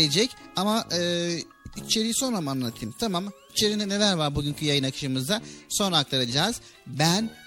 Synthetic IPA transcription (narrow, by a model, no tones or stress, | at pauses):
ed͡ʒɛcamaʔɯː | it͡ʃʰe̞ɾijso̞nɾamanːat̪ʰɯɯmt̪ʰamamit͡ʃʰe̞ɾind̪ɛne̞lʲæɾvaɾbuɟyncʰyjajɯnakʰɯ̥ʃɯmɯzd̪aso̞nak̚t̪ʰaɾad͡ʒaːz̥ | bæn